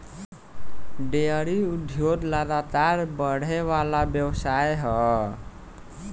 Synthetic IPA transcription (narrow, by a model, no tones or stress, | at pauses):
ɖeəɾiud̪ʱjod̪laɡ̪at̪aɾbəɽ̤ewalabjəwsajɦʌ